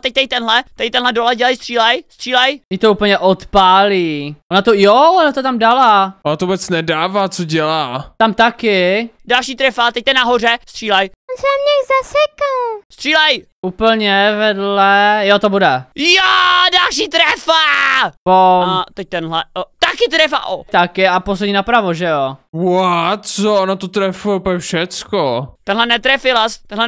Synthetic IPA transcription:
t̪ɛc̚t̪ɛj̚t̪ɛnɦlɛt̪ɛjt̪ɛnɦlɛdolɛɟɛlajst̪r̥iːlɛjst̪r̥iːlɛjɪt̪ouːpl̩ɲɛʔot̪paːliːʔonat̪ojoonat̪ot̪amdalaonat̪ovbɛt͡snɛdaːvaːt͡soɟɛlaːt̪amt̪akɪdalʃiːt̪ɾɛfaːt̪ɛc̚t̪ɛnaɦorɛst̪r̥iːlajonsɛamɲɛzasɛkalst̪r̥iːlɛjʔuːpl̩ɲɛvɛdlɛjot̪obudɛjadalʃiːt̪ɾɛfavowat̪ɛc̚t̪ɛnɦlɛt̪akɪt̪ɾɛfa̰ʔot̪akɪaposɛɲinapɾavoʒɛowat͡soonat̪ot̪ɾɛfujɛupɛfʃɛt͡skot̪ɛnɦlɛnɛt̪ɾɛfɪlast̪ɛnlɛ

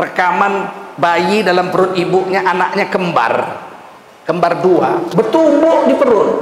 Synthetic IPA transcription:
rəkamanbajidalampəɾʊnibuʔɲaʔanak̚ɲakəmba̰r | kəmbardua̰bət̪umbʊhdipəɾʊn

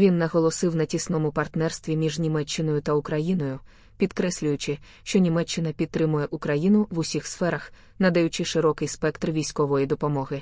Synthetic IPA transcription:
ʋʲinːɐɦɔlˠɔsɪwnɐtʲisnɔmʊpɐrt̪nɛrst̪ʋʲimʲiʒnʲimɛt͡ʃːɪnɔjʊt̪ɐʊkɾɐjinɔjʊ | pʲid̪kɾɛsʲlʲʊjʊt͡ʃɪ | ʃt͡ʃɔnʲimɛt͡ʃːɪnɐpʲid̪̚t̪ːɾɪmʊjɛʔʊkɾɐjinʊʋʊsʲixsfɛɾɐx | nɐd̪ɐjʊt͡ʃɪʃɪɾɔkɪjspɛkt̪rʋʲijsʲkɔʋɔjid̪ɔpɔmɔɦɪ

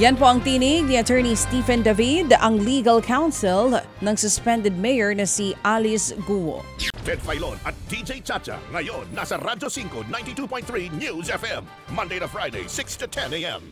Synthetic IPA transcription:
jɐnpoɐŋt̪iniɡ̚niɐt̪ʰɛɹnist̪iːfɛnd̪ɐvid̪ɐŋliɡɐlkʰawnsɪl | nɐŋsʊspɛnd̪ɛd̪̚mɛjəɹnɐsiʔalisɡuwo̰t̪ʰɛd̪fajlo̰nɐt̪̚d̥id͡ʒejt͡ʃat͡ʃa̰ŋɐjonːasɐɾadosiŋkonãj̃ntitupɔ̃j̃nt̪θɹinjuzɛfɛ̃mː | ɐ̃nd̪ejtɐfɹajdḛsɪkstutʰɛ̃neɛ̰̃m

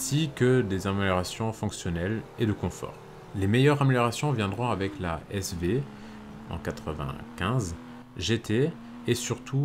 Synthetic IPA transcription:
ɛ̃sikəd̪ezameljɔʁasjɔ̃fɔ̃ksjɔnɛled̪əkɔ̃fɔ̰ːʁ | lemejœʁameljɔʁasjɔ̃vjɛ̃d̪ʁɔ̃avɛkla̰ɛsve | ɑ̰̃kat̪χəvɛ̰̃kʲɛ̃z | ʒet̪ʰe | esyʁt̪ʰu

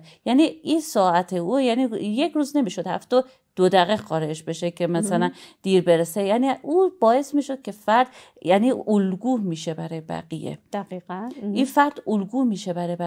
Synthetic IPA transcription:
jæniːinsɒːæt̪ʰeujæniːjekʰɾuːzne̞miːʃod̪̥hæfd̪̥o | d̪̥od̪æɣexɒːɾeeʃbe̞ʃekʰe̞mæsælænd̪̥iːɾbeɾesejæniʔuːbɒːe̞smiːʃo̞d̪̚cʰe̞fæɾd̪̥ | jæniːolɡuːhmiːʃebæɾɒːjebæ̰ɣijḛd̪̥æiːʔinfæɾd̪̥olɡuːmiːʃebæɾɒːjbæ

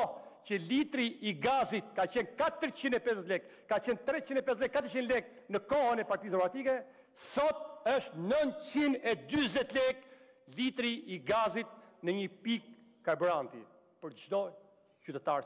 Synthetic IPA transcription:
cəlit̪ɾiʔiɡazit̪kat͡ɕɛnkat̪əɾt͡ɕinɛpɛzɛt̪lɛkːat͡ɕɛnt̪ɾɛt͡ɕinɛpɛs̬tlɛkːat̪əɾt͡ʃinlɛk̚ | nəkɔɦənɛpaɾt̪isd̪ɛmɔɡɾat̪ikɛ | sɔt̪̚əʃt̪nənt̪t͡ɕinɛd̪yzɛt̪lɛk | lit̪ɾiiɡazit̪̚nəɲəpikː | aɾbyɾant̪i | pəɾd͡ʒd̪ɔ | cyt̪ɛt̪aɾ

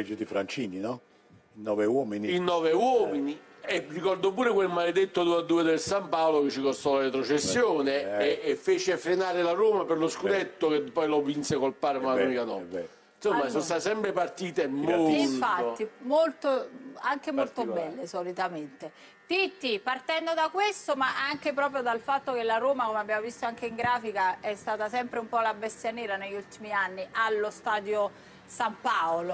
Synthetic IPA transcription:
d͡ʒid̪ifɾant͡ʃininɔ | inːɔvewɔːminiinːɔːvewɔːminierikɔrd̪opuːɾekwelmaled̪et̪ːod̪uad̪ːuːed̪elsampaːolok̟et͡ʃːikost̪ɔlaɾet̪ɾot͡ʃesːjoːneːfːeːt͡ʃefɾenaːɾelaroːmaperloskud̪et̪ːok̟epːɔjlɔvːinsekolpaːɾemalaɔmikanɔ | insomːasonst̪at̪sɛmpɾepart̪iːt̪emmolfatːimolt̪oaŋk̟emolt̪obːɛlːesolit̪ament̪e | t̪it̪ːipart̪ɛnd̪od̪akwest̪omaʔaŋk̟epɾɔːp̬ɾjod̪alfat̪ːok̟elaɾoːmakomeabːjaːmovist̪oaŋk̟eiŋɡɾaːfikaɛst̪aːt̪asɛmpɾeumpɔlabest̪janɛːɾaneʎːult̪imianːiʔalːost̪aːd̪jo | sampaolo

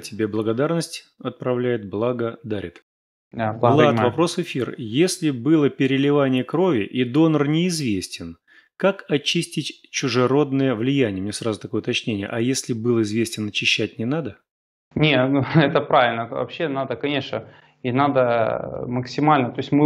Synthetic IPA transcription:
tʲɪbʲe̞blˠəɡɐd̪arnəsʲtʲ | ɐt̪̚pɾɐvlʲæjɪt̪̚blˠaɡəd̪aɾʲɪ̰t̪ | d̪ablˠalˠavɐpɾo̞svɪfʲirjesʲlʲɪbɨlˠəpʲɪɾʲɪlʲɪvanʲɪjəkɾo̞vʲɪʔid̪o̞nərnʲɪːzvʲesʲtʲɪn | kakɐt͡ɕisʲtʲɪtʲt͡ɕʊʐɨɾo̞d̪nəjəvlʲɪjænʲɪjəmnʲesrazʊt̪ɐko̞jʊt̪ɐt͡ɕnʲenʲɪjə̰ʔɐjesʲlʲɪbɨlˠɪzvʲesʲtʲɪnɐt͡ɕɪɕːætʲnʲɪnad̪ə | nʲeɛt̪əpɾavʲɪlʲnəvɐ̰pɕːenad̪əkɐnʲe̞ʂnə | inad̪əməksʲɪmalʲnət̪oɪsʲtʲmɨ

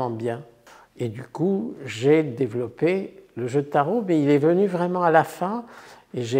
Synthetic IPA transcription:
ɑ̃bjɛ̃ | ed̪ykuʒed̪evlɔpeləʒød̪ət̪aʁomɛilɛvənyvʁɛmɑ̃alafɛ̃ | eʒe

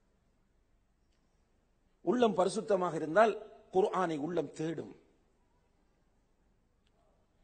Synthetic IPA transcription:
ʔʊɭːɐmpɐɾɪsʊt̪ːɐmaːɣɐɪɾɯnd̪aːlkʊɾʊʔaːnɐɪʊɭːɐmt̪eːɽɯ̰m

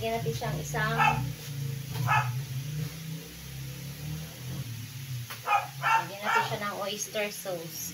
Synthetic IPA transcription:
ɡɪnɐt̪ɪnʃaɐŋʔɪsa | aɡɪnɐt̪ɪnʃanɐŋʔojst̪ɛɹsows

